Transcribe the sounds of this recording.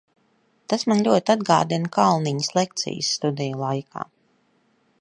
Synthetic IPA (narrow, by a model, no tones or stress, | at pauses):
t̪asmanlʲuɔt̪ʲad̪ɡa̰ːd̪inkalˠniɲəslˠek̚t̪sḭj̰sːt̪ud̪ɛjulˠajkʰa̰ː